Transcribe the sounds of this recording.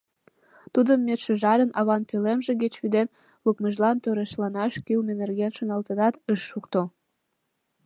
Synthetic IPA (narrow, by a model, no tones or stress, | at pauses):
t̪ud̪əmːet̪ʃəʒɑɾənɑβɑnpølemʒeɡet͡ɕβyd̪en | lukməʒlɑnt̪øɾeʃlɑnɑʃkylmenerɡenʃəŋɑlt̪ənɑt̪əʃːukt̪o